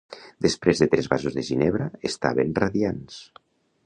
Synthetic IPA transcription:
d̪espɾezðet̪ɾɛzβazuzðeʒinɛβɾaest̪a̰βenraðians

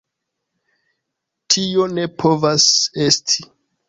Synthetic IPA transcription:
tʰio̞ne̞pʰo̞vase̞stʰi̥

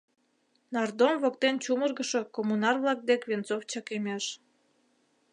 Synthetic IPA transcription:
nɑrd̪omvok̚t̪ent͡ɕumərɣəʃo̽komunɑrβlɑk̚d̪ekβent͡soft͡ɕɑkemeʃ

